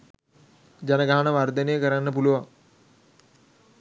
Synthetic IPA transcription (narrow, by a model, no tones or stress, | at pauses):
d͡ʑanəɡaɦanəʋard̪ənejəkəɾanːəpuluʋaŋ